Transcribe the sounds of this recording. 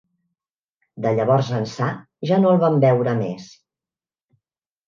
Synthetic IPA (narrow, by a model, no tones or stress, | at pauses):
d̪əʎəβɔrzənsa | ʒanolˠβambɛwɾəmes